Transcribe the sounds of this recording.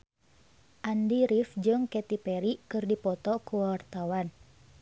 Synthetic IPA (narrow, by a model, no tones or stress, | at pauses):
ʔandiɾifd͡ʒɨŋkɛt̪ipɛɾikɨrdipɔt̪ɔkuwart̪awan